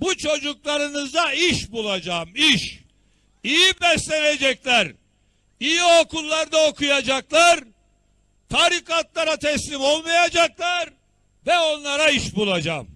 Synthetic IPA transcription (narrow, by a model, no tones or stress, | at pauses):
but͡ʃʰo̞d͡ʒuklˠaɾɯnɯzd̪aiʃbulˠad͡ʒamiʃ | ijibɛslʲened͡ʒɛclʲæɾ | ijio̞kʰulˠːaɾd̪ao̞kʰujad͡ʒaklˠaɾ | t̪ʰaɾikat̪lˠaɾat̪ʰɛslʲimo̞lˠmajad͡ʒaklˠaɾ | vɛo̞nlˠaɾaiʃbulˠad͡ʒa̰m